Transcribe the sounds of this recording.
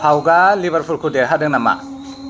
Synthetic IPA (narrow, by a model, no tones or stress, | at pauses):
pʰawɡalibəɾpʰulkʰudeɦadɯŋnama̰